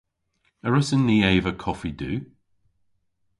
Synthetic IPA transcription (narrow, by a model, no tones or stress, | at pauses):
əɹəsənːiːeɪvəkʰɔfidʉː